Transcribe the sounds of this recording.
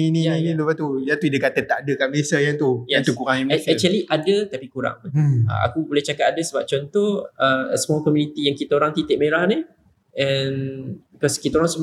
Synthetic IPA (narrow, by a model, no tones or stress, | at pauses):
iniĩnilupat̪ujat̪uidəkat̪ət̪aʔdəkanmbesajaŋt̪ujɛant̪ukuɾaŋjamsɛt͡ʃəliʔadət̪apikuɾa̰ŋə̰a̰kubolɛht͡ʃakat̪adəsəbap̚t͡ʃɔnt̪ɔhəsəmakɔmjunit̪ijaŋkit̪aoɾaŋt̪it̪ɪʔ̚meɾahni | ɛnikɔskit̪aoɾaŋsəb